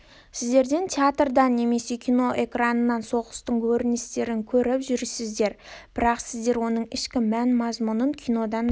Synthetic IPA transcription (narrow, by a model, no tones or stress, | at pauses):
sɪzd̪e̞ɾd̪e̞nt̪ʲʰeat̪rd̪ɑnːe̞me̞se̞kʲʰijno̞ʔe̞kranənɑnso̞ʁəst̪əɴkʲʰɵɾɪnɪst̪e̞ɾɪŋkʲʰɵɾɪpʒʏɾsɪzd̪e̞ɾb̥ɪɾɑqsɪzd̪e̞ɾwo̞nəɴɪʃkʲɪmænmɑzmunəŋkʲʰijno̞d̪ɑn